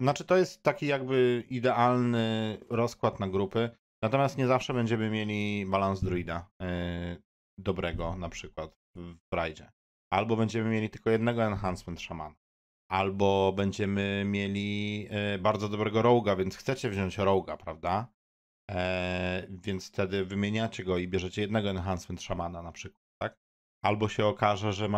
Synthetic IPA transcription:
nat͡ʂɘt̪ɔjɛst̪ːakʲijaɡ̚bɘid̪ɛʔalnɘɾɔskwat̪naɡɾupɘ | nat̪ɔmʲjast̪ɲɛzafʂɛbɛɲd͡ʑɛmɘmʲjelʲibalanzd̪ɾuid̪a | d̪ɔbɾɛɡɔnapʂɘkwat̪ | vbɾajd͡ʑɛ | albɔbɛɲd͡ʑɛmɘmʲjelʲit̪ɘ̥lkɔjɛd̪nɛɡɔɛnxansmɛnt̪ʂama̰na | ʔalbɔbɛɲd͡ʑɛmɘmʲjelʲi | baɾd̪zɔd̪ɔbɾɛɡɔɾɔwɡavʲjɛnt̪sxtsɛt͡ɕɛvʑɔɲt͡ɕɾɔwɡapɾavd̪a | vʲjɛnt̪sft̪ɛd̪ɘvɘmʲjeɲat͡ɕɛɡɔibʲjɛʐɛt͡ɕɛjɛd̪nɛɡɔɛnxansmɛnt̪ʂamananapʂɘkwat̪ːak | albɔɕɛɔkaʐɛʐɛ

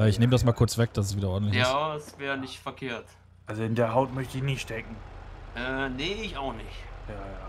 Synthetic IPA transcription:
ʔɛːɪçneːmədasmaːlkʰʊɐt͡sv̥ɛk̚d̥as̬ɛs̬viːdɐʔɔɐdn̩tlɪjaːɛsv̥ɛːʁənɪçtfɛɐkʰeːɐt | ʔalzoɪndeːɐɦaʊtmœçtəɪçnɪʃtɛkŋ̩ʔɛːneɪçaʊxnɪçjaːjaː

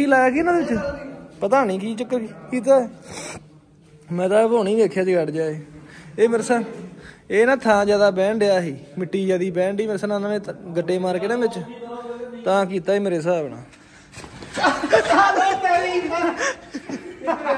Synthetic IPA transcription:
kʰiːlaːjaːkiːnãːeɪt͡ʃpət̪aːnĩːkiːt͡ʃəkːkiːt̪̬aːɛː | mɛ̃ːt̪ãːʋoːnĩːʋeːkʰjaːd͡ʒiːɡəɽd͡ʒaːiːeːmɪɾsa | eːnãːt̪ʰãːd͡ʒjaːd̪aːbɛ̃ːɳɖeaːɦiːmɪʈːiːd͡ʒaːd̪iːbɛ̃ːɳɖiːmeɾsananãːnẽːɡəʈːeːmaːɾkɪnãːbɪt͡ʃ | t̪ãːk̬iːt̪aːiːmeːɾeːs̬aːbɳã̰ː | i

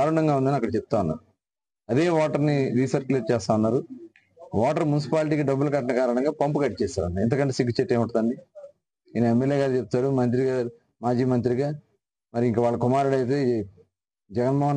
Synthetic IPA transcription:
aːɾuɳɐŋɡaːund̪ɐniɐkːɐɽɐt͡ʃɛp̚t̪aːunːa̰ːɾu | ɐd̪eːʋɔːʈɐɾniɾisɐt͡ʃkliɐɾt͡ʃɛːst̪aːʋunːaːɾu | ʋɔːʈɐɾmunis̬i̥paːlʈ̬iːkiɖɐbːulkɐʈɐnɐkaːɾɐɳɐŋɡaːpɐmpukɐʈːit͡ʃɛːsa̰ːɾɐɳʈaḭnt̪ɐkɐɳʈeːsikɡit͡ʃeʈːeːʋuɳʈɐd̪ɐɳɖi | ajnɐemːeljeːɡaːɾt͡ʃep̚t̪aːɽumɐnt̪̬ɾiɡa | maːd͡ʒiːmɐnt̪ɾiɡaː | mɐɾiiŋkɐʋaːɭːɐkumaːɾuɽɐjt̪̬eː | d͡ʒɛɡɐnmɔːɦɐn

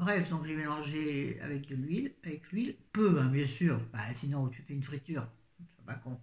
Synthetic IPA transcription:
bʁɛfd̪ɔ̃kʒemelɑ̃ʒea̰vɛk̚d̪əlɥilavɛklɥilpøɛ̃bjɛ̃syːʁbɛsinɔ̃t̪yfɛynfχit̪yːʁ | sɛ̃pakɔ̃

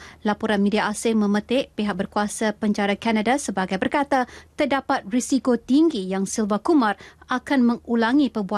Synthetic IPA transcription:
lapɔɾanmidiaʔasɪmə̃mə̃t̪ɪʔpeɦak̚bərkuasapəɲd͡ʒaɾakanadasəbaɡajbərkat̪at̪ərdapat̪̚risikot̪iŋɡijaŋsilvakumãrakanmə̃ŋulaŋipəbua

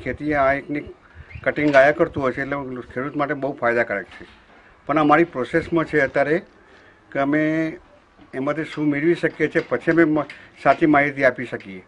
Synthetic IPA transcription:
kʰet̪ieãekni | kəʈiŋɡajakəɾt̪ũɦojt͡ʃʰeːʈlekʰeɾut̪maʈ̬ebəɦufʰajd̪akəɾek̚t͡ʃʰe | pəɳəmaɾipɾosesmə̃t͡ʃʰeət̪jaɾe | keəmeː | mãt̪ʰiʃũmeɭʋiʃəkjet͡ʃʰepət͡ʃʰiəmemsat͡ʃimaɦit̪̬iapiʃəkie

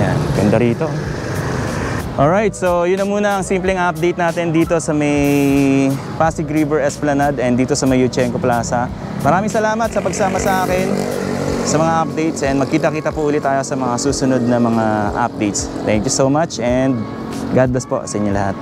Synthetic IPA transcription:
ja̰nɡɐnd̪ɐɾiːt̪o | ʔolɹajt̪̚sojʊnːɐmuːnɐɐŋsimplɛŋʔɐp̚d̪ɛjt̪naːt̪ɛnd̪iːt̪o̞sɐmɐj | paːsɪɡɾivɛɹɛsplɐnad̪ɛnd̪iːt̪osɐmɐjut͡ʃɛŋkoplaːsɐ | mɐɾaːmɪŋsɐlaːmɐt̪̚sɐpɐɡ̚saːmɐsɐʔaːkɛn | sɐmɐŋaʔɐp̚d̪ɛjt̪sɛn̚mɐɡ̚kiːt̪ɐkiːt̪ɐpʊʔuːlɪt̪ːaːjosɐmɐŋasuːsʊnod̪̚nɐmɐŋaʔɐ̰p̚d̪ejt̪s | t̪ɛŋkjusomat͡ʃʔɛnd̪̚ | ɡad̪̚lɐspo̰sɐʔɪɲolɐ̰hat̪̚

